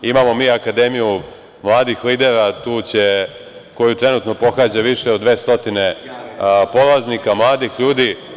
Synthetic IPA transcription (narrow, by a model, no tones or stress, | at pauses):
imamo̞miːakad̪e̞miju | mlˠaːd̪ixliːd̪e̞ɾat̪uːt͡ɕe̞ | ko̞jut̪ɾe̞nuːt̪no̞po̞xaːd͡ʑaʋiʃeod̪ʋe̞ːst̪o̞t̪ine̞ | po̞lˠaznikamlˠaːd̪ixʎuːd̪i